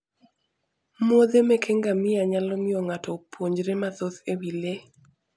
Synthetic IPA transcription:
mwod̪emekʰeŋɡamɪaɲalɔmɪɔŋatɔpwoɲd͡ʒɾematoθewile

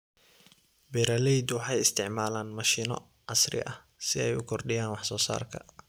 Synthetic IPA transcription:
bɛɾalɛjd̪wɑħɑjɪst̪ʰɪʕmaːlaːnmɐʃiːnɔ̰ | ʕɑsrɪ̰ʔɐh | sɪɛjʊkʰɔrɖɪjaːnwɑħsɔːsa̰ːrkʰɐ̰

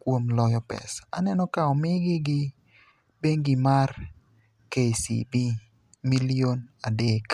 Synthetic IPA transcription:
kwomlɔjɔpɛ̰sa̰nɛnɔkaɔmɪɡɪɡɪ | beŋɡɪmar | kesḭbi | milionadek

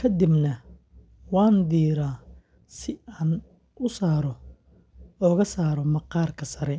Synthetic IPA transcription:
kʰɐd̪ɪbnɐ | wɑːnd̪iːɾaː | sɪaːn | ʊsaːɾɔ | ɔːɣɐsaːɾɔmɐqɑːrkʰɐsɐɾɛ

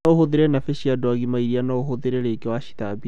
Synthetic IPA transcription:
ohoðeɾɛnafeɕiadwɔɣimaiɾianaoɦoðeɾeɾeːkewaɕi̥tabi

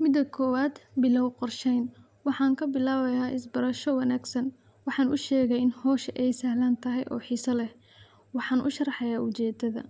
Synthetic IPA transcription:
mɪd̪ɐkʰɔːwaːd̪bɪlɐwqɔrʃɛjn | wɑħɑːŋkʰɐbɪlaːβɐjaːʔɪsbɐɾɐʃɔwɐnaːɡsɐn | wɑħɑːnʔʊʃɛːɣɛjɪnhɔːʃʔɛjsɐhlant̪ʰɐɦɛjʔɔ̰ːħiːsɐlɛh | wɑħɑːnʔʊ̰ʃɐrɑħɑjaːʔʊt͡ʃɛːd̪ɐðɐ̰

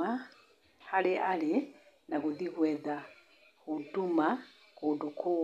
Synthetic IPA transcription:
a | haleʔali | nakuðikwɛða | kutuma | kudukʰu

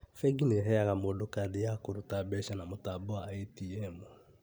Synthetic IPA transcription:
fɛɡineɦɛjaɣamodokadejakoɾotabɛʃanamotaboaɛtiɛmo

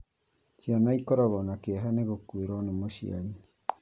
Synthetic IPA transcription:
t͡ʃianaikɔɾɔɣɔnakeaɦaneɣokueɾonemoʃḭa̰ɲe

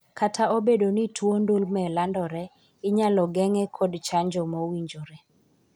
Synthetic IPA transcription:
kʰatʰaobedonitwondolmɛlandɔɾɛ | ɪɲalɔɡɛŋɛkʰɔdt͡ʃaɲd͡ʒɔmowiɲd͡ʒoɾɛ

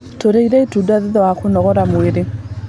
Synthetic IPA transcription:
toɾeiɾɛetudaðeðɔwakonɔɣɔɾamoeɾe

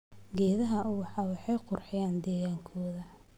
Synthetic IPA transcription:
ɡɛːðɐɦɐwɑħɑːwɑħɑjqʊrħɪjaːnd̪ɛːɣaːŋkʰɔːðɐ

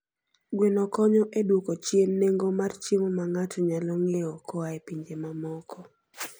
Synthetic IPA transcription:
ɡwenɔkɔɲɔʔedwokot͡ʃjenːeŋɡomart͡ʃimɔmaŋatɔɲalɔŋeɔkɔaɛpiɲd͡ʒemamɔkɔ

